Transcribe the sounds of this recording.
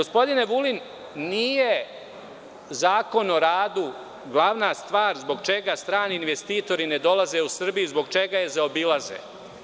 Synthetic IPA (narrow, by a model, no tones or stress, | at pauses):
ɡospo̞d̪ine̞ʋulinː | ije | zaːko̞no̞ɾaːd̪u | ɡlˠaʋnast̪ʋaːɾzbo̞ɡt͡ʃe̞ɡast̪ɾaːniːnʋe̞st̪iːt̪o̞ɾined̪o̞laze̞usr̩bijuzbo̞ɡ̚t͡ʃe̞ɡaje̞zaobilˠazḛ